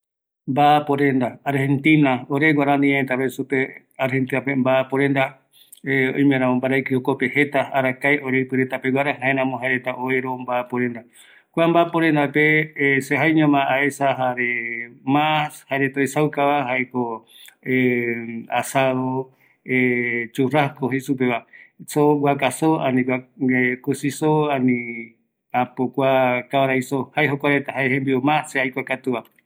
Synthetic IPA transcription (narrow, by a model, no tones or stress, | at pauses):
mbapoɾẽnd̪aaɾhent̪ĩnaoɾeɡʷwaɾãnĩãet̪aɾesupe | aɾhent̪inapembapoɾend̪a | eõ̰j̃mẽɾãmombaɾajkiokopehe̞t̪aaɾakajʔoɾepɨɾet̪apewʷaɾaɦãẽɾãmõɦaeɾet̪aʔoeɾombapoɾend̪a | kʷambaːpoɾend̪apeseɦajɲãmaaesaɦaɾemãshaɾet̪ojsawkaβaɦaeko | e | asaðo | et͡ʃurahkoɦesup̬eβasoɡwakasoanĩaekusisoanĩ | apokʷakaβaɾajsohaeɦokʷaɾet̪ahaehẽmbiomãseajkʷakat̪uβa